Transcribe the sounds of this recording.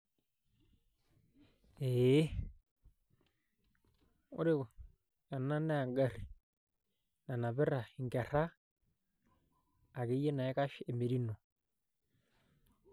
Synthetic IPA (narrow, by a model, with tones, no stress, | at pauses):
e˦ | ʊ̰˦ɾɪ˦˨ | ja˨na˦na˦a˨ŋɡa˦ɾi˨ | na˨na˨βɪ˦ɾa˨i˨ŋɡɛ˨ra˦˨ | ke˦je˦na˨ɪ˦ka˦ʃe˨me˨ɾi˦no˨